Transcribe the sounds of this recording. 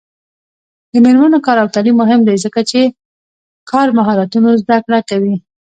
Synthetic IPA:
d̪əmeɾmanokɑɾawt̪alimːʊɦɪmd̪ajzəkat͡ʃe | kʰɑɾmaɦɑɾat̪unozd̪akɽakawi

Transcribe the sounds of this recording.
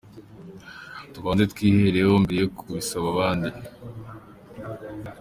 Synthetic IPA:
tukaːnzetkwiːhe̞ɾehombeɾejokʰuβisaβaβaːndi

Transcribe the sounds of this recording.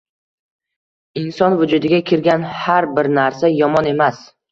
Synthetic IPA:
ɪnsɒnvʊd͡ʒʊd̪ɪɡʲakʲʰɪɾɡʲanhaɾbɪɾnaɾsajɒmɒne̞mas

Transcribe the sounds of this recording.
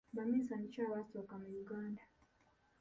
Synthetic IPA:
bamisanit͡ʃawasɔkamajuɡanda

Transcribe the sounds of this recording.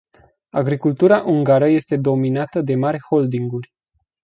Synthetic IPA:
a̰ɡɾikult̪uɾaʔuŋɡaɾəje̞st̪e̞d̪o̞minat̪əd̪e̞maɾʲho̞ld̪iŋɡurʲ

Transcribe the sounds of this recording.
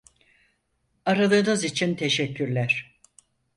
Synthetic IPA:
aɾalˠɯːnɯzit͡ʃʰint̪ʰe̞ʃɛcʰːyɾlʲæɾ̥

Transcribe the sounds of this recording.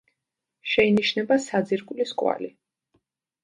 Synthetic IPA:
ʃɛiniʃnɛbasad̪ziɾkʼliskʼwa̰li

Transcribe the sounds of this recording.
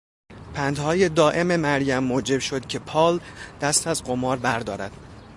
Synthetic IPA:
pʰænd̪hɒːjed̪ɒːʔe̞me̞mæɾjæmːoːd͡ʒe̞bʃo̞d̪cʰe̞pʰɒːld̪̥æst̪ʰæzɢomɒːɾbæɾd̪ɒːɾæd̪̥

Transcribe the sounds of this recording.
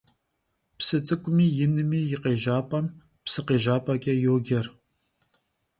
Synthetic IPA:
psɨt͡sʼɨkʷʼʊmiːjɪnɨmiːjɪqeːʒaːpʼɐm | psɨqeːʒaːpʼɐkʲʼɐjoːɡʲɐr

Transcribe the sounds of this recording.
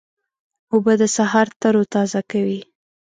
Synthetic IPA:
obəd̪əsaɦɑɾt̪əɾot̪ɑzakawi

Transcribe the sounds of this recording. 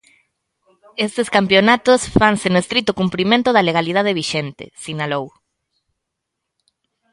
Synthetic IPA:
est̪eskampjonat̪osfaŋsɪnʊest̪ɾit̪ʊkumpɾimẽnt̪ʊðɐleɣ̞alið̞að̞eβ̞iʃent̪ɪ̰sinalow

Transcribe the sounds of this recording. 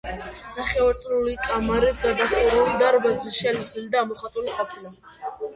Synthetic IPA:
naχɛaɾt̪sʼlulikʼamaɾid̪ɡad̪aχuɾɛuld̪aɾɔbazɛʃɛlisild̪aːmɔχat̪ʼuliχʼɔt̪ʰla

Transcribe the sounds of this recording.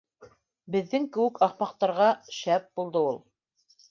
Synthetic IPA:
bɘ̆ðːɘŋkɘ̆wɘkɑqmɑq̚t̪ɑɾʁɑʃæp̚bulˠd̪ɤulˠ

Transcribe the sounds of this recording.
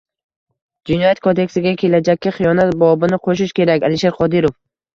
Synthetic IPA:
d͡ʒɪnɒjat̪̚kʰod̪e̞kʲsɪɡʲakʲʰe̞lad͡ʒakʲːɪχijɒnat̪̚bɒbɪnɪqʰoʃɪʃkʲe̞ɾakʲalɪʃeɾqʰɒd̪ɪɾof

